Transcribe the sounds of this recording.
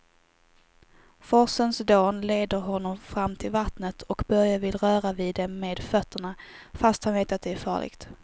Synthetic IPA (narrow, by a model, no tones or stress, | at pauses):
fɔsənsd̪oːnleːd̪əɾɦɔnːɔmfɾamːt̪ʰɪlvat̪nət̪ʰɔkbœɾjavɪlɾœːɾaviːd̪ɛmːeːd̪fœt̪ʰːəɳafast̪hanveːt̪at̪̚d̪ɛæɾfɑ̰ːɭɪ̰ɡ̥t̪